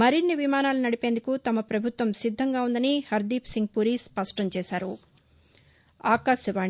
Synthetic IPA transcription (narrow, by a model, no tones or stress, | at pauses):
mɐɾinːiʋimaːnaːlunɐɽipe̞ːnd̪ukut̪ɐmɐpɾɐbʱut̪ʋɐmsid̪ʱːɐŋɡaːund̪ɐnihɐɾd̪iːpsiŋɡ̚puɾispɐʂʈɐmt͡ʃɛːsaːɾṵ | aːkaːʃɐʋaː